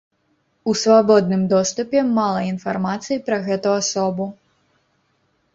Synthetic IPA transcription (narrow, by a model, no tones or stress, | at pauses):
usvabɔd̪nɨmd̪ɔst̪upʲɛmalˠɐinfarmat̪sɨjipɾɐɣɛt̪uasɔbu